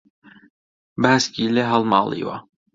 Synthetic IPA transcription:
baːskilɛɦalˠmɑ̰ːlˠḭwa̰

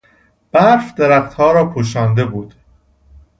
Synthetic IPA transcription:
b̥æɾfd̪eɾæxt̪hɒːɾɒːpʰoʃɒːnd̪e̞buːd̪̥

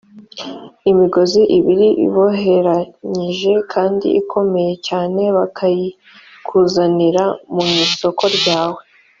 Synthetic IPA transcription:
imiɡo̞ziʔiβiɾiʔḭβo̞ɦe̞ɾaɲiʒe̞kʰaːndḭʔikʰo̞me̞je̞caːne̞βakʰaji | kʰuːzaniɾamuiso̞ko̞ɾɟaːwe̞

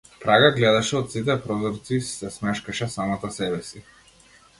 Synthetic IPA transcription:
pɾaɡaɡlɛd̪aʃɛɔt̪sit̪̬ɛpɾɔzɔɾt̪sisɛsmɛʃkaʃɛsamat̪asɛbɛsi

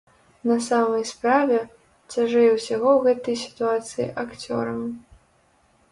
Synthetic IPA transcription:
nɐsamɐjspɾavʲɛ | t͡sʲaʐɛjɛwsʲaɣɔwɣɛt̪ɐjsʲi̥t̪uat̪sɨjḭʔakt͡sʲɔ̰ɾɐm

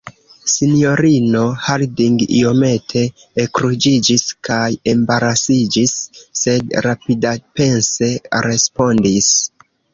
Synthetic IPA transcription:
sinjo̞ɾino̞haɾdiŋɡḭo̞me̞tʰe̞ː | kɾud͡ʒid͡ʒiskʰaje̞mbaɾasid͡ʒisːe̞dɾapidape̞nse̞ɾe̞spo̞ndis

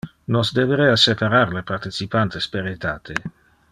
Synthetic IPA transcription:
nɔsd̪eveɾeasepaɾarlepart̪it͡sipant̪espeɾet̪aːt̪ʰe

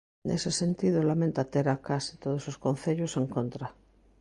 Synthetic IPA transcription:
nʔḛsesent̪iðolamẽnt̪at̪eɾakasi̥t̪oð̞ososkon̟θeʎoseŋkont̪ɾa

